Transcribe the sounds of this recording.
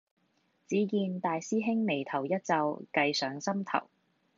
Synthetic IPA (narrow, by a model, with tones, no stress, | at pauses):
t͡siː˨˥kiː˧nt̪aː˨jsiː˥ɦɪ˥ŋme˨˩jt̪ʰɐ˨˩wjɐ˥t̚t͡sɐ˧wkɐ˧jsœː˨˥ŋsɐ˥mt̪ʰɐ̰˨˩w